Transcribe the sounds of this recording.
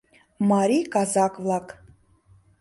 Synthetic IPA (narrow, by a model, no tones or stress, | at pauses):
mɑɾikɑzɑkvlˠɑk